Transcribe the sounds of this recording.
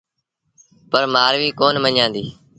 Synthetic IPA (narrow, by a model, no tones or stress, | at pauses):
pəɾmaːɾʋiːkoːnməɲãːnd̪ḭː